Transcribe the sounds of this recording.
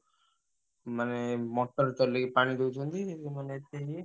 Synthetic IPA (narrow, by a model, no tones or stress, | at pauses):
manemɔʈːɔɾt̪ɔɾleɡipaɽ̃id̪ewt͡ʃʰɔnt̪iemaneet̪eɦie